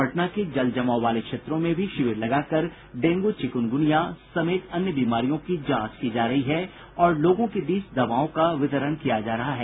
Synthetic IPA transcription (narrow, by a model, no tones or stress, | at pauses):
ɐʈnaked͡ʒɐld͡ʒɐmaːoʋaːlekʃeːt̪ɾõmẽbʱiʃɪʋɪɾlɐɡaːkɐɾ | ɖẽːŋɡot͡ʃɪkʊnɡʊnijasɐmeːt̪ɐnjəbiːmaːɾijõkid͡ʒãːt͡ʃkid͡ʒaːɾɐɦiɦɛ | ɔːɾloːɡõked̪iːsd̪ɐʋaːõkaʋɪt̪əɾəɽ̃kijad͡ʒaːɾɐɦaɦɛː